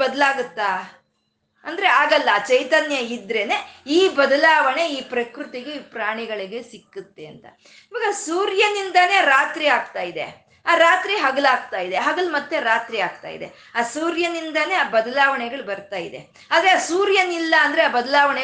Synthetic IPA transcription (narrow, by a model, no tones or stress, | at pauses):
bɐd̪ɐlaːɡut̪ːa | ɐnd̪ɐɾe̞aːɡɐlːɐt͡ʃɐjt̪ɐnjɐid̪ɾe̞ne̞iːbɐd̪ɐlaːʋɐɳe̞iːpɾɐkɾut̪iɡepɾaːɳiɡɐɭiɡe̞sikːut̪ːe̞ɐnt̪ɐ̰ | iʋaːɡɐsuːɾjɐnind̪ɐne̞ːɾaːt̪ɾiaːɡt̪aːjid̪e̞̰ | aːɾaːt̪ɾiɦɐɡɐlaːɡ̚t̪aːjid̪e̞ɦɐɡɐɭmɐt̪ːeɾaːt̪ɾiaːɡ̚t̪a̰ːjḭd̪e̞̰ | aːsuːɾjɐnind̪ɐne̞aːbɐd̪ɐlaːʋɐɳɛɡɐɭbɐɾt̪aːjid̪e̞̰ | ad̪ɾeaːsuːɾjɐnilːɐːnd̪ɾeaːbɐd̪ɐlaːʋɐɳɛ